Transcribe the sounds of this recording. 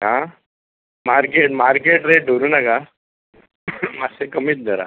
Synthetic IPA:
ɦã | maɾkeʈmaɾkeʈɾeʈ̚ɖʱoɾuːnaka | masekəmiːt̪̚d̪ʱəɾa̰

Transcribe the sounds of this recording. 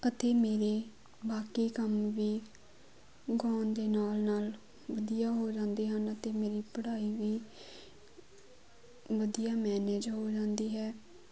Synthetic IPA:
ət̪eːmeːɾeː | baːkiːkəmʋiː | ɡoːnd̪eːnaːlnaːl | ʋəd̪ijaːɦoːd͡ʒãːnd̪eːɦənət̪eːmeːɾiːpəɽaːiːʋiː | ʋəd̪ijaːmɛːned͡ʒɦoːd͡ʒãːnd̪iːɦɛː

